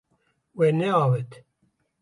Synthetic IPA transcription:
wɛnɛɑːwɛt̪

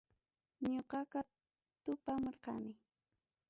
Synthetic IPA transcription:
ɲoqɑqɑ | t̪ʊpamoɾqɑ̰nɪ

